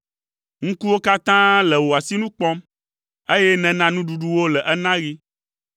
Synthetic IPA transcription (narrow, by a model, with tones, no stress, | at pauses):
ŋ̩̃˦ku˦wo˦ka˦t̪ã˦lɛ˨wo˨a˨si˦nũ˦k͡pɔ˦m | e˦jɛ˦nɛ̃˨nã˦nũ˦ɖu˨ɖu˦wo˦lɛ˨ʔɛ˦nã˦ɣi˦